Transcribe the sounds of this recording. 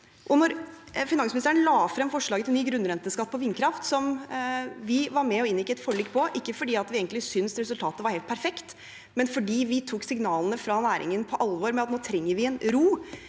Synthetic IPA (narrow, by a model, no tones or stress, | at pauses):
ʔɔnɔɾ | fɪnɑŋsmnst̪æɾənlɑːfɾɛmfɔʂɭɑːɡət̪ɪlnyːɡɾʉnɾɛnt̪əskɑt̪ːpɔʋɪnkʰɾɑft̪sɔm | ʋɪʋɑɾmɛɔɪnʋɪkːət̪fɔɭiːkːpʰɔʔɪkːəfɔɖiːɑt̪ʋɪeːɡənɪsʏnsɾɛsʉlt̪ʰɑːt̪əʋɑɾhɛːlt̪̚pʰæɾfɛkt̪ | mɛnfɔɖiːʋɪt̪ʰuːksɪŋnɑːlənəfɾɑnæːɾʔɪ̰ŋənpʰɔʔɑlʋɔɾmɛɑt̪noːt̪ʰɾɛŋːəɾʋɪɛnɾuː